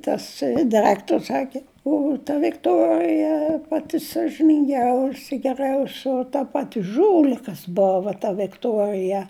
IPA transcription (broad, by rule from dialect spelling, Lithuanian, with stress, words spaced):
tɐs dɐˈrɑːktoːrs ˈsɑːkʲɪ ˈʊ tɐ ʋʲɪkˈtoːrʲɪjɛ ˈpɑːtʲɪ sɐʒʲɪnʲɪŋʲˈɡʲɛʊsʲɪ ɡʲɛˈrʲɛʊsʲoː tɐ ˈpɑːtʲɪ ˈʒuːlʲɪkɐs ˈboːʋɐ tɐ ʋʲɪkˈtuɔrʲɪjɛ